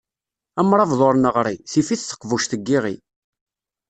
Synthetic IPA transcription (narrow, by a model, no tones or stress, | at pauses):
æmɾˤɑvðˤoɾnəʁɾˤiθifiθθə̥qvuʃθəɡːiʁḭ